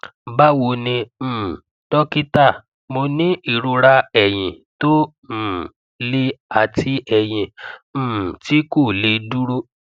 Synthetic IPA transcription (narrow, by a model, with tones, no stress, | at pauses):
ba˦wo˧nĩ˧˦˨ | tɔ˦ki˦ta˦˨ | mo˧nĩ˦i˦˨ɾu˧ɾa˧ɛ˨j̃ĩ˨ | to˦˨ | le˦a˧˨tʰi˦ɛ˨j̃ĩ˧˨˦ | ti˦ko˦˨le˧du˦ɾo˦